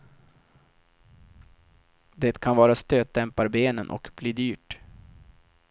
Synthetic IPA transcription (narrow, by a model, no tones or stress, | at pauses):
d̪ɛːt̪kʰanvɑːɾast̪øːt̪̚d̪ɛmpaɾbeːnənʔɔ̰kbliːd̪yːʈ